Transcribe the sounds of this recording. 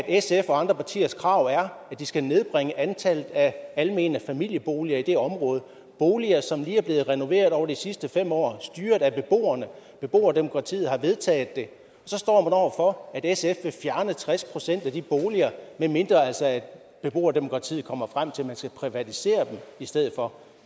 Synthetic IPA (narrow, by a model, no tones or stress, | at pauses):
æd̥esefɒ̽ɑ̈nd̥ʁɐpʰɑ̈t͡sʰḭːɐskʰʁɑ̈ʊ̰æɐæd̥isɡ̥æne̝ð̞ˠb̥ʁeŋəʔænt͡sʰæləð̩ˠæælme̝̰ːnəfæmil̰jəb̥o̝ːliɐid̥e̝ɒ̽mʁɔ̽ːð̞̩ˠ | b̥o̝ːliɐsɒ̽mliːæɐb̥le̝ːð̞̩ˠʁɛno̝ʋe̝̰ːɐð̞ˠɒ̰ʊɐd̥isisd̥əfem̰ɒ̰ːsd̥yːɐð̥ˠæb̥e̝b̥o̝̰ːɐnə | b̥e̝b̥o̝̰ːɐd̥e̝mo̝kʰʁɑ̈t͡sʰḭːð̩ˠhɑ̈ʋe̝ð̞ˠt͡sʰɛ̰ːð̩ˠd̥e̝ | ɒ̽sɒ̽sd̥ɒ̰ːmænɒ̰ʊ̰ɐfɒ̽æd̥esefefjæɐnət͡sʰʁaspʰʁo̝sen̰d̥æd̥ib̥o̝ːliɐmenme̝nd̥ʁɐælsɒ̽æd̥ | b̥e̝b̥o̝̰ːɐd̥e̝mo̝kʰʁɑ̈t͡sʰḭːð̩ˠkʰɒ̽m̰ɐfʁam̰t͡sʰe̝lmænsɡ̥æpʰʁiʋæt͡sʰise̝̰ːɐd̥emisd̥eð̞̰̩ˠfɒ̽